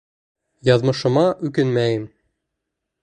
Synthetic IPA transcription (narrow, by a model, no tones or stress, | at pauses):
jɑðmɤ̆ʃɤ̆mɑʔʉkɘnmæjɘm